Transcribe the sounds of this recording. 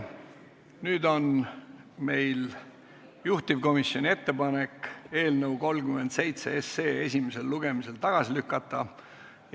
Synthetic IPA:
nyːd̪o̞n | me̞jl | juht̪ivko̞misjo̞nʲie̞t̪ːe̞pɑneke̞ːlnəwko̞lkyme̞nd̪se̞jt̪se̞̰eseːe̞sʲimese̞lːuɡ̥e̞mise̞lt̪ɑɡ̥ɑsilykːˑɑt̪ːˑɑ

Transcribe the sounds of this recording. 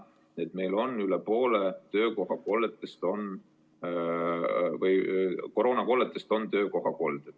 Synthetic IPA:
et̪me̞jlo̞nːylepo̞ːlet̪ø̞ːko̞ɦɑko̞ːlet̪ːˑest̪o̞n | vɯjkoɾo̞ːnɑko̞ːlet̪ːˑest̪o̞nt̪ø̞ːko̞ɦɑko̞ld̪̥e̥

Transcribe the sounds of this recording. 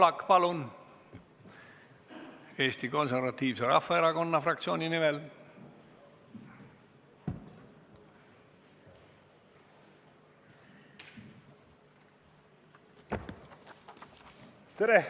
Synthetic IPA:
lɑkːpɑlun | e̞ːst̪iko̞nservɑt̪ˑːiːvseɾɑ̰fːɑeɾɑko̞nːɑfrɑk̚t̪sio̞ːnʲinimɛl | t̪eɾe

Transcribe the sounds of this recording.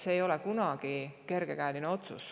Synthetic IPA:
seːjo̞le̞kunɑɡ̥ike̞rɡ̥e̞kæːlineo̞t̪sṵs

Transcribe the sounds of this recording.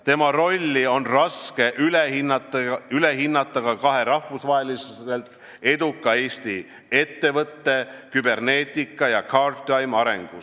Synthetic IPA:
t̪e̞mɑro̞lʲːio̞nrɑske̞ʔylehinːɑt̪ːyle̞ɦinːɑt̪ˑːɑɡ̥ɑkɑɦe̞ɾɑhvusvɑɦe̞lise̞lt̪ | e̞d̪ukˑːɑe̞ːst̪i | e̞t̪ːe̞vɤt̪ːe̞kybe̞rne̞ːt̪ʲikːˑɑjɑkʰɑrt̪ˑɑjmɑɾe̞̰ŋɡ̥u

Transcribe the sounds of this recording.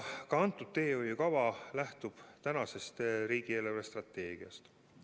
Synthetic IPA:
kɑɑnt̪ːˑud̪̥̚t̪e̞ːojkɑvɑlæht̪ub̥t̪ænɑse̞st̪riːɡ̥ieleɾest̪rɑt̪ːˑe̞ːɡ̥iɑ̰st̪

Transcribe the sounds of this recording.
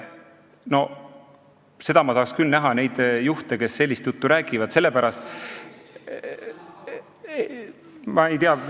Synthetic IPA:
no̞ | se̞d̪ɑmɑsɑːkskylnæɦɑne̞jd̪̥juht̪eke̞sːe̞lʲːist̪jut̪ːuɾæːɡivɑd̪se̞lːe̞pæɾɑst̪ | mɑe̞jt̪eɑ

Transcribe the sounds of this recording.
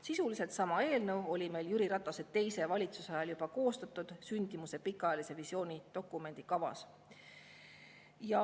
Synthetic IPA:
sisulise̞lt̪sɑmɑe̞ːlnəwo̞lʲime̞jljyɾiɾɑt̪ːˑɑse̞d̪̥t̪ːe̞jse̞vɑlʲit̪suseɑjɑljubɑko̞ːst̪ɑt̪ːˑud̪̥synʲd̪̥imuse̞pikːˑɑɑjɑlise̞visio̞ːnʲit̪o̞kˑːume̞nʲd̪̥ikɑvɑ̰s | jɑ

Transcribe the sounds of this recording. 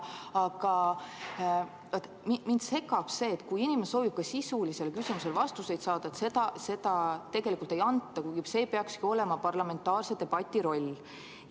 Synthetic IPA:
ɑɡ̥ɑ | vɑt̪ː | mimint̪se̞kːˑɑb̥se̞ːt̪ːkujinimeso̞ːvib̥̚kɑsisulise̞lkysimuse̞lvɑst̪use̞jt̪sɑːd̪̥ɑet̪se̞d̪ɑse̞d̪ɑt̪e̞ɡe̞likult̪e̞jɑnt̪ˑːɑkuɡise̞ːpeɑkskio̞le̞mɑpɑrlɑme̞nt̪ːˑɑːrse̞d̪̥e̞b̥ɑt̪ʲːˑiɾo̞lʲː

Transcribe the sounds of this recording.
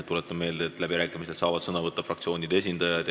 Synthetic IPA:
t̪ːulet̪ːˑɑme̞ːld̪eːt̪ːˑlæb̥iɾæːkˑimise̞lsɑːvɑd̪̥sɤnɑvɤt̪ːɑfrɑkt̪sʲio̞ːnʲid̪̥e̞s̬ʲind̪̥ɑjɑd̪

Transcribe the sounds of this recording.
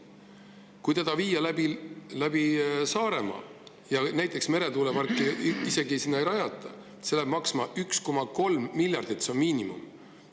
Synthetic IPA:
kujt̪ed̪̥ɑviːjɑlæbilæb̥isɑːɾe̞mɑ̰ | jɑnæjt̪ːˑe̞ksme̞ɾe̞t̪uːlevɑrkːˑiise̞ɡisinːɑejɾɑjɑt̪ːˑɑ | selæb̥mɑksmɑʔyksko̞mɑko̞lmːilʲjɑrd̪̥it̪ːseonmiːnimṵm

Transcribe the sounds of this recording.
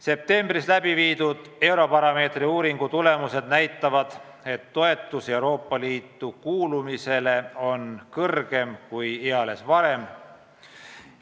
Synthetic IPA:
se̞p̚t̪e̞mbrislæbiviːd̪̥ud̪̥e̞wɾo̞pɑɾɑme̞ːt̪riuːɾiŋɡ̥ut̪ule̞muse̞d̪̚næjt̪ːˑɑvɑd̪̥ | e̞t̪ːo̞e̞t̪ːˑuse̞uɾo̞ːpˑːɑliːt̪ːˑukuːlumise̞le̞o̞nkɤrɡ̥e̞mkujeɑle̞svɑɾe̞m

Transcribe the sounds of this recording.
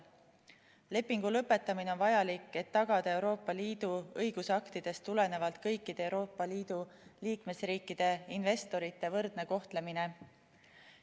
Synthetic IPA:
le̞pːˑiŋɡ̥ulɤpːˑe̞t̪ːˑɑmineonvɑjɑlikːˑe̞t̪ːɑɡ̥ɑd̪̥ɑe̞wɾo̞ːpːˑɑliːd̪̥uɤjɡ̥usɑkt̪id̪̥e̞st̪ːule̞ne̞vɑlt̪̚kɤjkˑːid̪̥eewɾo̞ːpˑːɑliːd̪̥uliːkme̞sriːkːˑid̪̥e̞inve̞st̪o̞ɾit̪ːe̞vɤrd̪̥ne̞ko̞ht̪le̞mine̞

